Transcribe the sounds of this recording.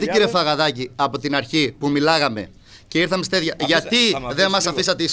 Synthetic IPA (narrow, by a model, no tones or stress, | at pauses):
t̪iciɾefɐɣɐðɐciɐpo̞t̪inɐɾçipumilɐɣɐme̞̰ | ceiɾθɐme̞st̪eðʝɐʝɐt̪iðe̞nmɐsɐfisɐt̪eis